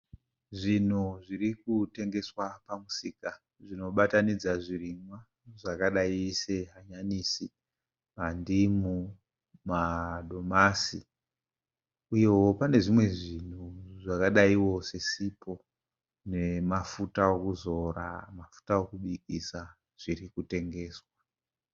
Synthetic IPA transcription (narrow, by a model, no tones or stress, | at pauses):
ʐin̤uʐirik̚ute̞ŋɡe̞swapamusiːka | ʐino̞ɓatanid͡zaʐirimwa | ʐakaɗaise̞ɦaɲanisi | mandimu | mado̞masi | ujewo̞pane̞ʐimwe̞ʐin̤uʐakaɗaiwo̞se̞sipʰo̞ | ne̞mafutaokuzo̞ra̰mafu̥tawokuɓik̚isa | ʐ̥irikute̞ŋɡe̞ːswa